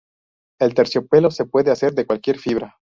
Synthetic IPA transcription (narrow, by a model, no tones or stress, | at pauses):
e̞lt̪e̞ɾsjo̞pe̞lo̞se̞pwe̞ðease̞ɾðekwalkje̞ɾfiβ̞ɾa